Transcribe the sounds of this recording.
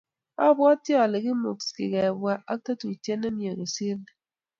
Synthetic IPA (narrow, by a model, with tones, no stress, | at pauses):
a˦bwa˦tjɔ˨le˨ɣi˦mo̰˨kskḭ˨kɛ˨bwa˦ʔa˦ta˦tu˨tje˦ne˦mje˨ɣe˨si˦l